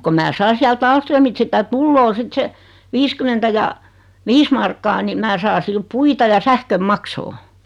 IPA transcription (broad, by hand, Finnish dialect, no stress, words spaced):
ko mæː sɑi siælt ɑːlstrømit sitæ tulːoː sit se ʋiːskymentæ jɑ ʋiːs mɑrkːɑː ni mæː sɑː sil puitɑ jɑ sæhkøm mɑksoː